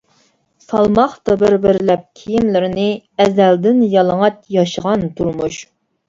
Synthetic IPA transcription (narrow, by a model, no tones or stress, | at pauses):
sɑlˠmɑχt̪ɑbɪɾbɪɾlɛp̚kʲʰijimlɪɾɪnɪɛzæld̪ɪnjɑlˠəŋɑt̪jɑʃəʁɑnt̪ʰuɾmuʃ